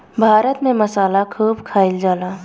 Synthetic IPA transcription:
bʱaːɾət̪mẽmɐsaːlakʰuːbkʰaːɪld͡ʒaːlaː

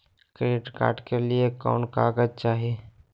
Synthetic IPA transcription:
kɾeːʈka̰ːɾɖkelieka̰ːʊnkaːɡəd͡ʒt͡ʃaːɦieː

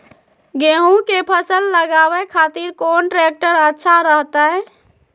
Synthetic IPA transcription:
ɡeɦũkepʰəsəlːəɡabɛkʰat̪iɾkonʈɾek̚ʈəɾətːʃʰaɾəɦt̪aɛ

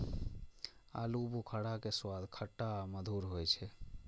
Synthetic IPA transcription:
a̰lubukʰəɽakeswad̪ʱkʰəʈːaməd̪ʱuɾɦojt͡ʃʰɛ

